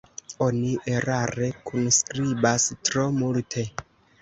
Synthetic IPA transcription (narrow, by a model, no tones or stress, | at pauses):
o̞niʔeɾaɾe̞kʰunskɾibastɾo̞multʰe̞